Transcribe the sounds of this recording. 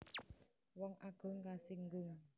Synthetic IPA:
wɔŋʔaɡ̥ɔ̤ŋkasiŋɡuŋ

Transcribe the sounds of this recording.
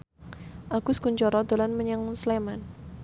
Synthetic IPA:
ʔaɡ̥ʊskuɲt͡ʃɔɾɔd̪alanməɲəŋsleman

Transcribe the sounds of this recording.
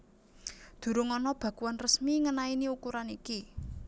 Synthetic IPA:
d̪̥ṳɾuŋɔnɔb̥ä̤kuwanrəsmiŋənainiukuɾaniki

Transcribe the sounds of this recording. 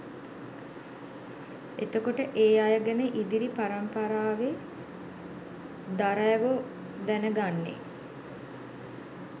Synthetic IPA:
et̪əkoʈəʔeːajəɡənəʔid̪iɾipaɾampaɾaːʋe | d̪aɾəjʋo | d̪ænəɡanːḛ

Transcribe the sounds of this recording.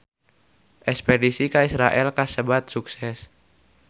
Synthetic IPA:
ʔɛkspɛdisikaisɾaʔɛlkasəbat̪̚suksɛs

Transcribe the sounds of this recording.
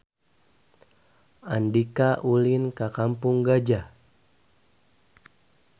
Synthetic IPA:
andikaʔulinkakampuŋɡad͡ʒa

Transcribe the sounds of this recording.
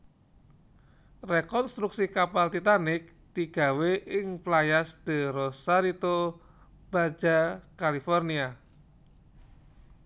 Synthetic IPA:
rekɔnst̪ɾuksikapald̪it̪anɪk̚t̪iɡ̥a̤weʔɪŋplajasd̪̥ə̤ɾosaɾit̪o | b̥ad͡ʒakalifɔrnia

